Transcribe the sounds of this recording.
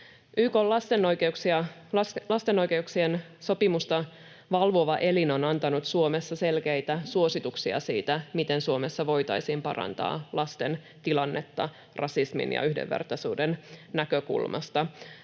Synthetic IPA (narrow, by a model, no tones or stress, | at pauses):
ʔyːkolːɑst̪enːojkeuksiɑ | lɑst̪e̞no̞jke̞uksien | so̞pimust̪ɑ | ʋɑlʋoʋɑʔe̞lino̞nɑnt̪ɑnut̪suo̞me̞sːɑse̞lkejt̪æsuo̞sit̪uksiɑ̰sḭːt̪æmit̪e̞nsuo̞me̞sːɑʋo̞jt̪ɑ̰jsiːmpɑ̰rɑ̰nt̪ɑ̰ːlʔɑst̪e̞n | t̪ilɑnːʔet̪ːɑ | rɑsismḭnjɑ̰yhdḛʋːḛrt̪ɑsuːdennækøkṵlmʔɑ̰st̪ɑ